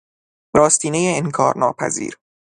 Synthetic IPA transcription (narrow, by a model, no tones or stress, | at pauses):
ɾɒːst̪ʰiːnejeeŋkʰɒːɾnɒːpʰæ̰zḭːɾ